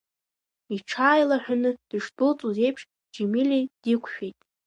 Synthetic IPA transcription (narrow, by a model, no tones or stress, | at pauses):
iʈ͡ʂʰaːjlaħʷᶣanɨd̥ɨʂbɨlt͡sʼuze̞jpʰʂ | d͡ʒemilʲid̥ikʷʰʃᶣejtʼ